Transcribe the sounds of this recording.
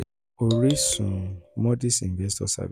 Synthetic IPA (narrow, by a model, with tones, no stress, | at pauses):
o˨ɾi˦sũ˨mɔ˦di˦sĩ˨nvɛ˦stɔ̰˦sa̰˨v